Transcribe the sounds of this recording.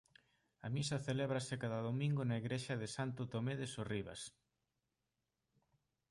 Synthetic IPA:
ɐ̰misɐθeleβɾɐsɪkaðɐðomĩŋɡʊnaiɣɾeʃɐðɪsant̪ʊt̪omeðɪsoriβ̞a̰s

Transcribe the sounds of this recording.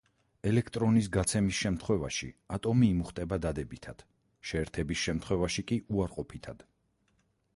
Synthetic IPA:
ɛlɛkʰt̪ʼɾɔnisɡat̪sʰɛmisʃɛmt̪ʰχwɛva̰ʃḭat̪ʼɔmiːmuχt̪ʼɛbad̪ad̪ɛbit̪ʰad̪̥ | ʃɛːɾt̪ʰɛbisʃɛmt̪χwɛvaʃikʼiʔuaɾqʼɔpʰit̪ʰad̪̥

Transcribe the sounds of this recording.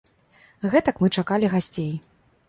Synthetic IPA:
ɣɛt̪ɐkmɨt͡ʂakalʲiɣasʲt͡sʲej

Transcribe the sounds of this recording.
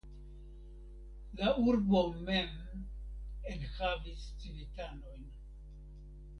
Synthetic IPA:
lauɾbomem | enhavist͡silitanojn

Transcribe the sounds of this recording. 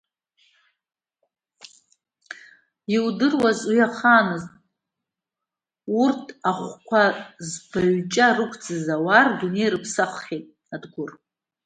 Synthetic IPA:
iwdɨrwazwiaχaːnɨztʼ | urtʰaχʷkʷʰazbaɥt͡ʃʼarɨkʷʰd͡zɨzawardune̞jrɨpʰsaχχʲejtʼ | adɡʷʊr

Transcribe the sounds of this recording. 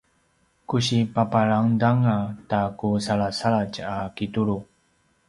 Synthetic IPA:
kuɕipapaɭaŋdaŋatakusaɭasaɭat͡ʃakituɭu

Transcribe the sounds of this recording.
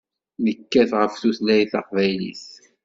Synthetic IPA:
nəkːæθʁəfθuθlæjθɑ̰qvæjlḭs

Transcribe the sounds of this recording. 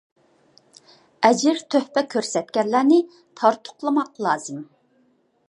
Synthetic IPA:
ɛd͡ʒɪɾt̪ʰøhpɛkʲʰøɾsɛt̪kʲɛɾlæɾnɪ | t̪ʰɑɾt̪ʰʊ̥qlˠɨmɑqlˠɑːz̥ɨm

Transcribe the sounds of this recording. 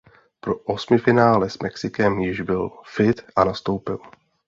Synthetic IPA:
pɾo̞ʔosmɪfɪnaːlɛsmʔɛksɪkɛmjɪʒbɪlfɪt̪ʔanast̪o̞wpɪl

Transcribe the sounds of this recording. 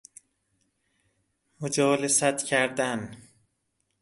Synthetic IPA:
mod͡ʒɒːlesæt̪cʰæɾd̪æn

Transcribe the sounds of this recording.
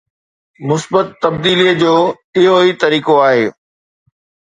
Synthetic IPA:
mʊsbət̪ːɐbd̪iːliəd͡ʑoː | ɪɦoit̪ɐɾiːkoaːɦḛː

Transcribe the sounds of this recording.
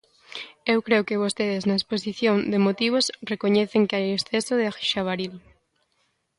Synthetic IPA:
ewkɾeokɪβ̞ost̪eðɪznɐesposiθjoŋd̪emot̪iβ̞osrekoɲɛθeŋkɪajesθesoðɪaxiʃaβaɾil

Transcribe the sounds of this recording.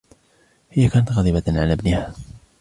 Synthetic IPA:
hɪjːakaːnat̪ɣɑlðˤiːbaʕalaːbnɪha

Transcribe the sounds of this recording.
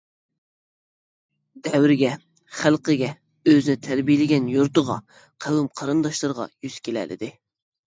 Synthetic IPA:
d̪ɛwɾɪɡʲɛ | χælqəɡʲɛ | øzɪnɪt̪ʰæɾbijɪlɪɡʲɛnjuɾt̪ʊʁɑ̰ | qʰæwymqʰɑɾɨnd̪ɑʃlˠɨɾʁɑ̰jyz̥kʲelɛ̰lɪ̰d̪ɪ

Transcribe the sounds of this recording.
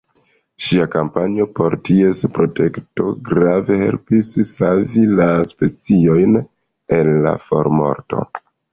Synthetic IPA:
ʃiakampanio̞po̞ɾtie̞spɾo̞te̞kto̞̰ɡɾave̞he̞̰lpissavilaspe̞t͡sio̞jn | e̞nla̰fo̞̰ɾmo̞̰ɾto̞̰

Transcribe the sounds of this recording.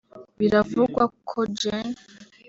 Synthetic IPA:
βiɾavuɡwakʰod͡ʒen

